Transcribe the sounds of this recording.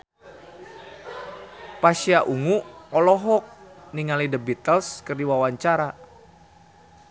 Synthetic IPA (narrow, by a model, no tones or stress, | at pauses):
paʃiaʔuŋuɔlɔɦɔk̚niŋalidəbit̪əlskərdiwawaɲt͡ʃaɾa